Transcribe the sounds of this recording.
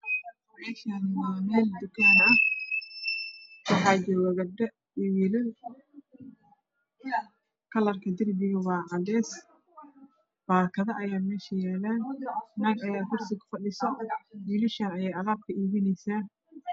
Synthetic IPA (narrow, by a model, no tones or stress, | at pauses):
mɛːʃanmɛːld̪ʊkʰaːnɐh | wɑħɑːd͡ʒɔːwɐɣɐɖɐ | ɔjɪlɪ | kʰɐlɐrkʰɐd̪ɪrbɪɣɐwɑːʕɑdɛːs | b̥aːkʰɐðɐʔɐjaːmɛːʃɐjaːlaːnɐːɡɐjaːkʰʊrsɪkʰʊ̥fɐɗɪsɐwiːlɪʃaːnɐjɛjɐɣaːb̚kʰɐiːβɪnɛjsaː